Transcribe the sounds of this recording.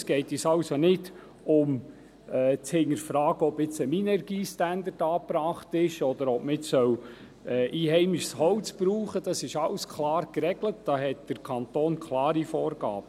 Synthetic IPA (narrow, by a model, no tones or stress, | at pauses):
sɡ̥ɛɪtɛsɑʊsonɪd | ʊm | ɛt͡shɪŋəɾfɾɑːɡ̥əɔbɪt͡səminɛɾɡiːstænd̪ətɑːpɾɑːχtɪʃɔdəɾɔbməɪt͡sːœw | ɛːʔiːhɛɪmɪʃshɔwt͡sb̥ɾuːχəd̥ɑsɪʃɑwskʰlɑːrkɾɛɡlət̚d̥ɑːɦɛt̚d̥əɾkʰɑntoːnkʰlɑːɾifɔːɾɡ̥ɑ̰ːb̥ə